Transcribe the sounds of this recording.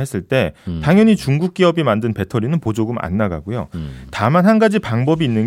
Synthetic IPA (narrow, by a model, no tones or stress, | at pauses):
ɦes͈ʰɯɭt͈e̞taŋjʌɲit͡ɕuŋɡuk̚k͈iʌbimandɯnpe̞tʰʌɾinɯnpod͡ʑoɡɯma̰nːaɡa̰ɡojo̰tamanhanɡad͡ʑipaŋbʌbiːnːɯn